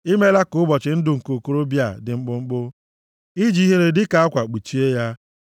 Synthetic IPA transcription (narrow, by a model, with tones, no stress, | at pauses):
ɪ˦me˦la˦kʊ˦bɔ˨t͡ʃɪ˨n̩˦dʊ˨ŋ̩˨ko˨ko˦ɾo˦bja˦˨dɪ˨ŋ͡m̩˦k͡pʊ˦ŋ͡m̩˦k͡pʊ˦ | i˦d͡ʒi˨˦ɦe˦ɾe˦dɪ˦ka˨a˦kʷa˨k͡pi˨t͡ʃi˦e˦ja˦